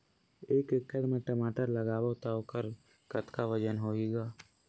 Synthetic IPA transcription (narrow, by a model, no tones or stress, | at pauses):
eːkɪkːəd̪meʈəmaːʈəɾləɡaːwaʊt̪aːokəɾ | kət̪kaʋəd͡ʒənɦoːeːɡaː